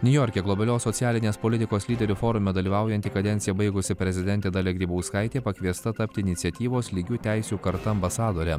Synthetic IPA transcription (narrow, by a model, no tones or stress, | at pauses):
nʲʊjɔːɾʲkʲeːɡlˠɔbʲɐlʲoːsːɔt̪sʲɪæːlʲɪnʲeːspoːlʲɪt̪ʲɪkoːslʲiːd̪ʲɛɾʲuːfoːɾʊmʲɛd̪ɐlʲiːʋɑˑʊjɛnʲt̪ʲikɐd̪ʲɛnʲt̪ʲɪjɛbɐɪɡʊsʲɪpʲɾʲɛzʲɪd̪ʲɛnʲt̪ʲeːd̪ɑːlʲɛɡɾʲiːbɐʊskɐɪt̪ʲeːpɐkʲʋʲiɛst̪ɐt̪ɐpʲt̪ʲɪɪnʲɪt̪sʲɛt̪ʲiːʋoːslʲɪɡʲuːt̪ʲæɪsʲuːkɐɾt̪ɐɐmbɐsɑːd̪oːɾʲɛ